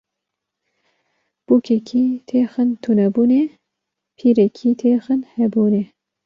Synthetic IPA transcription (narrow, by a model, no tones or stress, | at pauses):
b̥uːkʰɛkʰiːt̪ʰeːxɨnt̪ʰunɛbuːneː | pʰiːɾɛkʰiːt̪ʰeːxɨnhɛbuːneː